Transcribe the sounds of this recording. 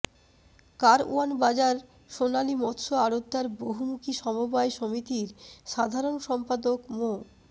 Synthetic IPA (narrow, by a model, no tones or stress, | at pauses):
kaɾṵanbad͡ʑaɾ | ʃonalimɔt̪ːʃoaɾod̪ːaɾboɦumukʰiʃɔmobaeʃomit̪iɾʃad̪ʱaɾonʃɔmpad̪okmo